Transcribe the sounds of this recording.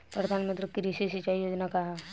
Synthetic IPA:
pɾɐd̪ʱaːnmət̪ɾəkːiɾisisɪt͡ʃaːijoːd͡ʒnakaɦa

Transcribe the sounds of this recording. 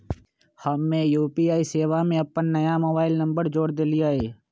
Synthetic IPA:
hɐmːẽjuːpiaːiseːʋamẽɐpːənːɐjamoːbaːɪlnɐ̃mbəɾd͡ʒoːɽd̪eːlijaɦeː

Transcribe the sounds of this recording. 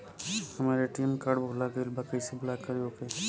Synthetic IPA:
hɐmaːɾeʈiːmkaɖbʱoːlaɡelbakəɪsibʊlaːkəɾoːke

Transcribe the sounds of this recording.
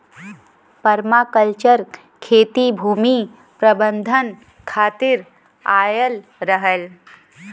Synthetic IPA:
pɐɾmaːkəlt͡ʃəɾ | kʰeːt̪ibʱuːmi | pɾɐbə̃nd̪ʱən | kʰaːt̪ɪɾ | aːjəlɾəɦəl

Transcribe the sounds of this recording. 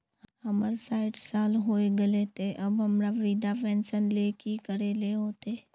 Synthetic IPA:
ɐməɾsaːɪʈsaːlɦoːeɡəlet̪eʔɐbɦɐmɾaʋɾid̪apɛ̃ːnsənlekikəɾeleɦoːt̪eː

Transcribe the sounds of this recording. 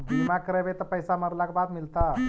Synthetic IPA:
ɡ̪ʱimakəɾəʋet̪əpəjsaməɾlakbad̪milt̪a

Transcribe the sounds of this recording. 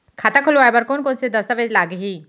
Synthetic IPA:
kʰaːt̪akʰʊloaːjbəɾkoːnkoːnsed̪əst̪aʋed͡ʒlaːɡɦiː

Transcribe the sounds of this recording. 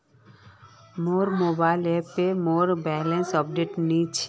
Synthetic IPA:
moːɾmoːbaːɪlepemoːɾbɛlẽnsɔp̚ɖeːʈnĩt͡ʃʰ

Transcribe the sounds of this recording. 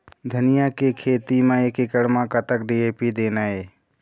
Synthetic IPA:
d̪ʱənɪjakekʰeːt̪imãeːkɪkəɽmãːkət̪ək̚ɖieːpid̪eːnaeː

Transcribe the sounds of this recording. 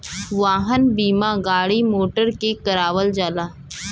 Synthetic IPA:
ʋaːɦənbiːmaɡaːɽimoːʈəɾkekəɾaːʋəld͡ʒaːlaː

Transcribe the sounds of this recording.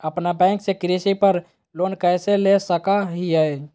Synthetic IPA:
əpnabɛ̃ŋksekɾisipəɾ | lonkəjselesəkaɦiəj

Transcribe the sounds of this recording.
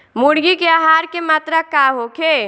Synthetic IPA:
muɽɡikeaːɦaːɾkemaːt̪ɾakaːɦokʰeː

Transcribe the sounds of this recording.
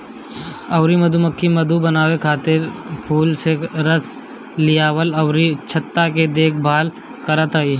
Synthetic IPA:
ɐʊɾiməd̪uməkʰːiməd̪ubənaːwekʰaːt̪ɪɾpʰuːlseɾəs | lɪjaːwəlɐʊɾit͡ʃʰət̪ːaked̪eːk̚ʰbʱaːl | kəɾət̪aːiː

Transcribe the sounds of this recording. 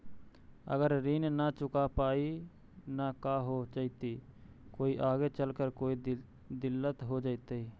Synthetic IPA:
ə̰ɡəɾɾinnat͡ʃʊkapaːi | nakaɦod͡ʒaɪt̪i | koːiʔaːɡet͡ʃəlkəɾkoːi | d̪ɪlːət̪ɦod͡ʒaːɪt̪əi

